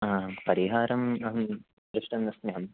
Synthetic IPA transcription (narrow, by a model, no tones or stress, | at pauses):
aːpɐɾiɦaːɾɐmɐɐ | ɾɪʂʈɐnːɐsneɦɐm